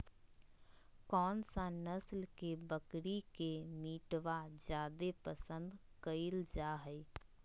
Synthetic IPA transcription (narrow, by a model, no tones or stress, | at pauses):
kɔːnsãnəslkebəkɽikemiːʈʋad͡ʒjaːd̪epəsə̃nd̪ | kəɪld͡ʒaːɦəi